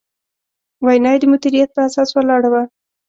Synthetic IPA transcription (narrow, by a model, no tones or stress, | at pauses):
wajnɑjd̪əmʊd̪iɾijat̪̚pəasɑswəlɑɽawa